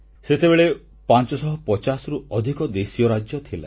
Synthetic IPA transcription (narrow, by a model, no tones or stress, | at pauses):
set̪ebeɭe | pant͡ʃɔsɔɦɔpɔt͡ʃasɔɾuɔd̪ʱikɔd̪esijɔɾad͡ʒjɔt̪ʰila̰